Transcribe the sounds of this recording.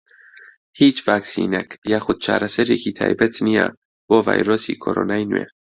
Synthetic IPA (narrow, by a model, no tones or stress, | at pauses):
hiːt͡ʃvaksḭnɛkjaxʊt̪̚t͡ʃʰa̰ɾaseɾikʰit̪ʰa̰jbɛt͡s̪nija̰ | bova̰jɾosikʰoɾo̰najnṵɛ̰